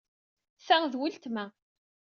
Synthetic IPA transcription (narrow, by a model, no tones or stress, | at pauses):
θæŋðwilt̪mæ